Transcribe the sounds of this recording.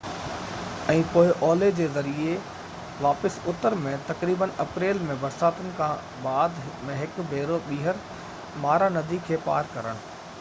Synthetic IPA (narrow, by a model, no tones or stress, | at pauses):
ɛ̃ːpoːɪʔɔːled͡ʑeːzɐɾie | ʋaːpɪsʊt̪əɾmẽt̪ɐkɾiːbənɐpɾeːlmẽbɐɾsaːt̪ənɪ̆kʰãː | baːd̪mẽɦɪkbʱeːɾoɓiːɦəɾ | maːɾanɐd̪ʱikʰeːpa̰ːɾkɐɾəɽ̃̆